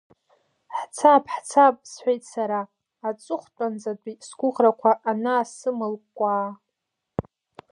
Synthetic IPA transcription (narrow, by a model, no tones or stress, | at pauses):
ħt͡sʰapʰʼħt͡sʰap̚ʼsħʷᶣejtʼsaɾaː | t͡sʷʼʊχʷtʷʼand͡zadʷʼisɡʷʊʁrakʷʰaʔːnaːsɨmɨlkkʷʼaː